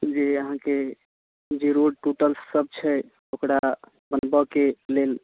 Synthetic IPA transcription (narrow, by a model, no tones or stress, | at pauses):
d͡ʒeəɦãke | d͡ʒeɾoɖʈuʈəlsːəb̚t͡ʃʰɛ | okɾa | bənbəkelel